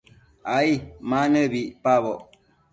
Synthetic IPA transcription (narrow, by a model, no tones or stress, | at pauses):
aimanəbiʔpabɔʔ